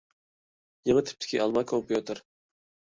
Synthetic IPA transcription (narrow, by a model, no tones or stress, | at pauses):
jəŋət̪ʰɪ̥p̚t̪ʰɪ̥kʲʰiʔɑlˠmɑkʰompjut̪ʰɨɾ